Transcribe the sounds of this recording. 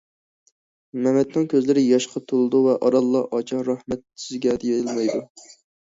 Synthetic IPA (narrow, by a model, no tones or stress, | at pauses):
mɛmɛd̪̚nɑŋkʲʰøzlɪɾɪjɑʃqʰɑt̪ʰolˠɨd̪uvɛʔɑɾɑlˠːɑʔɑt͡ʃʰɑɾɑhmɛt̪̚sɪzɡʲɛd̪ejɛlˠmɑjd̪u